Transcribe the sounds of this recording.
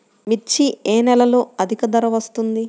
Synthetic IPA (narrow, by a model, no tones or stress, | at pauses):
mit͡ʃːieːnɛlɐlo̞ːɐd̪ʱikɐd̪ɐɾɐʋɐst̪und̪i